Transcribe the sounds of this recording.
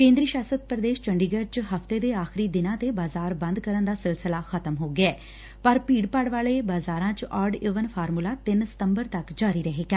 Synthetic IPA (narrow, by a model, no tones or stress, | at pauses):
kẽːnd̪ɾiːʃaːsəd̪̚pɾəd̪eːʃt͡ʃəɳɖiːɡəɾt͡ʃɦəft̪eːd̪eːaːxɪɾiːd̪ɪnãːt̪ebaːzaːɾbə̃nd̪kəɾənd̪aːsɪlsɪlaːxʰət̪əmɦoːɡɪɛː | pəɾpiːɖpəɽʋaːɭeːbaːzaːɾãːt͡ʃʔaːɾɖɪʋənpʰaːɾmulaːt̪ɪnsə̥t̪əmbəɾt̪əkd͡ʒaːɾiːɾəɦeːɡaː